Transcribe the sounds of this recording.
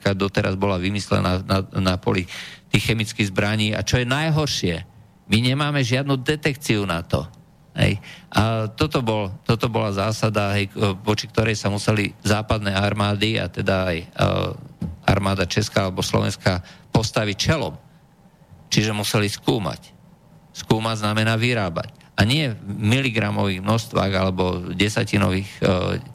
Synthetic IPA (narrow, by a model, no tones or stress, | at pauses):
kad̪ɔt̪ɛɾʔazbɔlaʋimislɛ̰nananapɔ̰lit̪ixxɛmit͡skiɣzbɾaɲiːa̰t͡ʃɔjɛnajɦɔɾʃɪɛ | miɲɛmaːmɛʒɪad̪nuːd̪ɛt̪ɛkt͡siunat̪ɔ̰ | ɦɛ̰jʔat̪ɔt̪ɔbɔlt̪ɔt̪ɔbɔlazaːsad̪aɦɛjʋɔt͡ʃik̚t̪ɔɾɛjsamusɛlizaːpad̪nɛaɾmaːd̪ia̰t̪ɛd̪aaj | ʔa̰ɾmaːd̪at͡ʃɛskaːalɛbɔslɔ̰ʋɛ̰nskapɔst̪aʋict͡ʃɛlɔ̰m | t͡ʃiʒɛmusɛliskuːma̰c | skuːmaznamɛnaːʋiɾaːba̰c | ʔaɲɪɛmiliɡɾamɔʋiːɣmnɔʃt̪ʋa̰ːɣalɛbɔɟɛsacinɔ̰ʋiːx